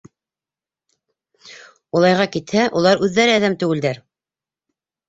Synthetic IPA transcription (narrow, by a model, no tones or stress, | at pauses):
ulˠɑjʁɑkit̪hæʔulˠɑɾʉðːæɾɘæðæmt̪ɵ̆wɘ̆ld̪æɾ